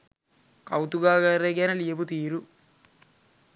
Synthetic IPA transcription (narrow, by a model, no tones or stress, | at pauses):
kɐwt̪uɡaːɡɐɾeɡenɐlijebut̪iːɾu